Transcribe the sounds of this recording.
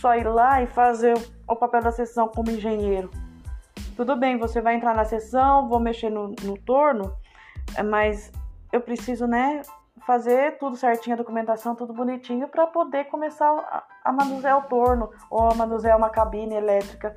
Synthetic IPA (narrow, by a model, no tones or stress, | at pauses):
sɔiɾlaɪfazeɾʊ | ʊpapɛwd̪ɐsesɐ̃w̃kõmʊẽʒẽɲejɾʊ | t̪ud̪ʊbẽj̃vosevajẽt̪ɾaɾnɐsesɐ̃w̃vowmeʃeɾnʊnʊt̪oɾnʊ | mɐzewpɾesizʊnɛ | fazeɾt̪ud̪ʊsɛɾt͡ʃĩɲʊɐd̪okumẽnt̪asɐ̃w̃t̪ud̪ʊbunit͡ʃĩɲʊpɾɐpod̪ekõmesaɾ̰ | ɐ̰mɐ̃nuzɛʊt̪oɾnʊ | owɐmɐ̃nuzɛũmɐkabĩnɐelɛt̪ɾikɐ